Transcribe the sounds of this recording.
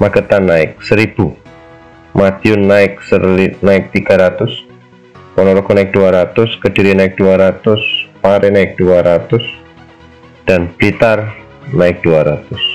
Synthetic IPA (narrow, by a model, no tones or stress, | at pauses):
maɡ̥ət̪anːaɪk̚səɾib̥u | mad̪̥iʊnːaɪksəinaɪk̚t̪iɡ̥aɾat̪ʊs | kɔnɔɾɔɡonaɪk̚d̥uaɾat̪ʊskəd̥iɾinaɪk̚d̥uaɾat̪ʊspaɾɛnaɪk̚d̥uaɾat̪ʊs | d̥anb̥lit̪ar | naɪk̚d̥uaɾat̪ʊs